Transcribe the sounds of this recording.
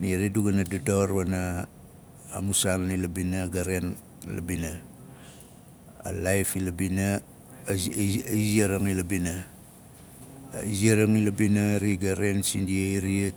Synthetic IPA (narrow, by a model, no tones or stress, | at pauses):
niɾeduɡanadudoɾwana̰ː | musalnilabinaɡaɾen | la̰bina | a̰lajfilabina | iziaɾaŋilabina | iziaɾaŋilabinaɾiɡaɾensḭndiaiɾie